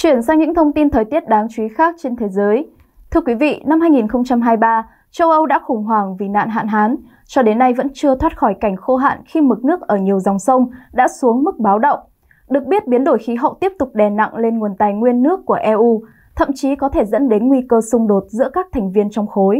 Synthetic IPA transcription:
t͡ɕwi˧˩ənsaː˧ŋɲɨ̰˧˥ŋt̪ʰə˧wŋ͡mt̪i˧nt̪ʰəː˨˩jt̪i˦˥ət̚ɗaː˨˦ŋt͡ɕwi˨˦xaː˦˥k̚t͡ɕe˧nt̪ʰe˨˦zəː˨˦j | t̪ʰɨ˧əkwi˨˦vḭ˧˨na˧mhaː˧jŋi˨˩nxə˧wŋ͡mt͡ɕa˧mɦaː˧jɓaː˧ | t͡ɕə˧wʔə˧wɗa̰ː˧˥xʊ˨˧˩ŋ͡mɦwaː˧˩ŋvi˨˩na̰ː˧˨nɦa̰ː˧˨nɦaː˨˦n | t͡ɕɔ˧ɗe˨˦nːa˧jvə̰˧˥nt͡ɕɨ˧ət̪ʰwaː˦˥t̚xɔ˧˩jka˧˩jŋ̟xo˧ɦa̰ː˧˨nxi˧mɨ˨˩k̚nɨ˦˥ək̚ʔəː˧˩ɲi˨˩əwza˨˩wŋ͡msə˧wŋ͡mɗa̰ː˧˥su˨˦əŋmɨ˦˥k̚ɓaː˨˦wɗə̰˧˨wŋ͡m | ɗɨ˨˩ək̚ɓi˦˥ət̚ɓi˨˦ənɗo˧˩jxi˨˦ɦə̰˧˨wt̪i˦˥əp̚t̪ʊ˨˩k͡p̚ɗɛ˨˩na̰˧˨ŋle˧nŋu˨˩ənt̪aː˨˩jŋwi˧ənːɨ˦˥əkːu˧˩əʔɛ˧ʔu˧ | t̪ʰə̰˧˨mt͡ɕi˨˦kɔ˨˦t̪ʰe˧˩zə̰˧˥nɗe˨˦nŋwi˧kəː˧sʊ˧ŋ͡mɗo˨˩t̚zɨ̰˧˥əkaː˦˥k̚t̪ʰɛ˨˩jŋ̟vi˧ənt͡ɕɔ˧wŋ͡mxo˨˦j

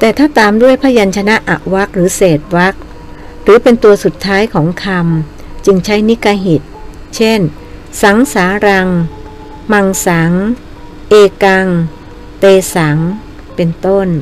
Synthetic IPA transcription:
t̪ɛː˨˩t̪ʰaː˥˩t̪aː˧mdu˥˩əjpʰaː˥˩ja˧nt͡ɕʰa˧na˦˥ʔa˨˩ʔwa˦˥k̚ɾɯː˩˦seː˨˩t̪̚wa˦˥k̚ | ɾɯː˩˦pe˧nt̪u˧ɐsu˨˩t̪ʰːaː˦˥jkʰɔː˩˦ŋkʰa˧m | t͡ɕɯ˧ŋt͡ɕʰa˦˥jni˦˥ka˧ɦi˨˩t̪̚ | t͡ɕʰe˥˩n | sa˨˩˦ŋsaː˩˦ɾa˧ŋ | ma˧ŋsa˩˦ŋ | ʔeː˧ka˧ŋ | t̪eː˧sa˩˦ŋ | pe˧nt̪o˥˩n

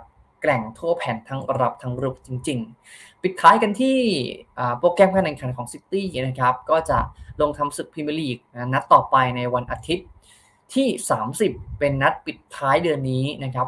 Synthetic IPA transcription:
klɛ˨˩ŋt̪ʰu˥˩ɐpʰɛː˩˦nt̪ʰa˦˥ŋɾa˧ɾa˨˩p̚t̪ʰa˦˥ŋɾuː˦˥˩k̚t͡ɕi˧ŋt͡ɕi˧ŋpi˨˩t̪ʰːaː˦˥jka˧nt̪ʰiː˥˩ʔaː˨˩poː˧kɛː˧mkaː˧nʔɛ˨˩nkʰa˨˩˦nkʰɔː˩˦ŋsi˦˥t̪ːiː˥˩na˦˥kʰa˦˥p̚kɔː˥˩t͡ɕa˨˩ʔlo˧ŋt̪ʰa˧msɯ˨˩k̚pʰiː˧m˧liː˨˩k̚na˧˥na˦˥t̪ːɔː˨˩pa˧jna˧jwa˧nʔaː˧t̪ʰi˦˥t̪̚ʰː | iː˥˩saː˩˦msi˨˩pːe˧nːa˦˥t̪̚pi˨˩t̪ʰːaː˦˥jdɯ˧ənːiː˦˥na˦˥kʰa˦˥p̚

